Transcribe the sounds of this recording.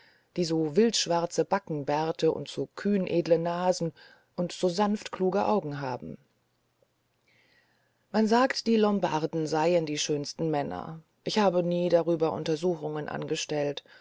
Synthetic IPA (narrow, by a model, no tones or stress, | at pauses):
d̥iːzoːvɪltʃv̥aʁt͡səb̥akŋ̩bɛɐtəʔʊ̰ntz̥oːkʰyːnʔeːdlənaːzn̩ | ʔʊntz̥oːzanftkl̥uːɡəʔaʊɡŋ̩ɦaːbm̩ | manzaːktd̥iːlɔmbaʁdn̩zaɪəndiːʃøːnstn̩mɛnɐ̰ | ʔɪçhaːbəniːdaʁyːbɐʔʊ̰ntɐzuːxʊŋənʔa̰nɡəʃtɛlt